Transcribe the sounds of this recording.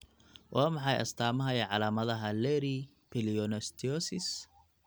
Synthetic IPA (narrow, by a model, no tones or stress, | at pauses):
wʔaːmɑħɑjʔɐ̰st̪ʰaːmɐɦɐjɐʕɑlaːmɐðɐɦɐlɛɾi | pʰɪliɔnɔst̪ʰiɔsɪs